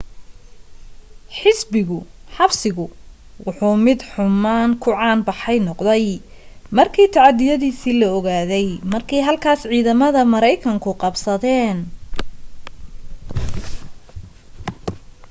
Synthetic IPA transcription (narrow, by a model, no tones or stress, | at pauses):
ħɪsbɪɣʊħɑbsɪɣʊ | wʊħuːmɪd̪ħʊmaːŋkʰʊʕɑːnbɑħɛjnɔqd̪ɛj | mɐrkʰiːt̪ʰɑʕɑd̪ɪjɐðiːsiːlɐɔɣaːðɛjmɐrkʰɛjɦɐlkʰaːsʕiːðɐmɐðɐmɐɾɛjkʰɐŋkʰʊqɑbsɐðɛːn